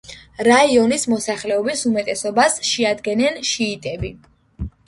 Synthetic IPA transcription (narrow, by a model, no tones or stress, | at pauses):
ɾaiɔnismɔsaχlɛɔbisumɛt̪ʼɛsɔbasʃɛad̪ɡɛnɛnʃiːt̪ʼɛbi